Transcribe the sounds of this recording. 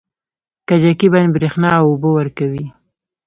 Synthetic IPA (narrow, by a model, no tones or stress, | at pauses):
kad͡ʒakibanbɾexnɑwʊbowəɾkawi